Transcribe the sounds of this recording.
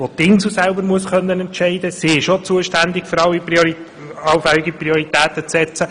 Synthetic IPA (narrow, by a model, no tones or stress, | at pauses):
ʋot̪ɪnzl̩sælbəɾmuəsχœnːənɛntʃɛɪd̪əsiɪʃot͡suəʃtænd̪ɪkfɵɾɑlːiioi | ɑwfɛlɪɡipriɔɾit̪æːt̪ət͡sːɛt͡sə